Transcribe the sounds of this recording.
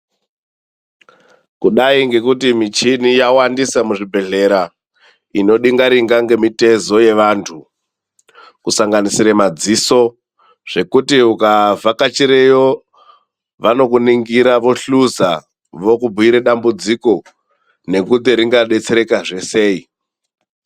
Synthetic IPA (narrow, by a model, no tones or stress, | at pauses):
kuɗaiŋɡe̞kutimit͡ʃinijawandisamuʐibʱe̞ɮe̞ɾa | ino̞ɗiŋɡaɾiŋɡaŋɡe̞mite̞zo̞je̞ʋantʰu | kusaŋɡanisiɾemad͡ziso̞ | ʐ̥e̞kutiukavakat͡ʃiɾejo | ʋano̞kuniŋɡiɾaʋo̞ɬuza | ʋo̞kubʱuiɾeɗambud͡ziko̞ | ne̞kut̪iɾiŋɡaɗe̞t͡se̞ɾe̞kaʐe̞se̞ːi